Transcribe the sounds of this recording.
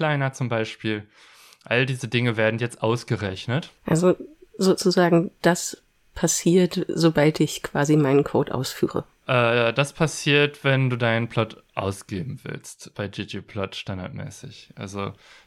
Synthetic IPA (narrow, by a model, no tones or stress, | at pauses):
l̥aɪnɐt͡sʊmbaɪʃpiːl | ʔaldiːzədɪŋəveːɐdn̩jɛt͡stʔaʊsɡ̥əʁɛçnətʔalzozoːt͡suzaːɡŋ̩d̥as | pʰasiːɐtz̥obaltɪçkv̥aːzimaɪnənkʰo̰ːtʔa̰ʊsfyːʁ̞ə̰ | ʔɛːd̥aspʰasiːɐtv̥ɛnduːdaɪnənpʰl̥ɔtʔa̰ʊsɡ̥eːbm̩vɪ̰lstb̥aɪd͡ʒiːd͡ʒeːpʰl̥ɔtʃtanda̰ɐtmɛ̰ːsɪçʔa̰lzo̰